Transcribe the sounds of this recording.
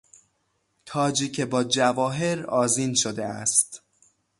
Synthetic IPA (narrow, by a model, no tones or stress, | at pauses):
t̪ʰɒːd͡ʒiːcʰebɒːd͡ʒævɒːɦe̞ɾɒːziːnʃod̪eæ̰st̪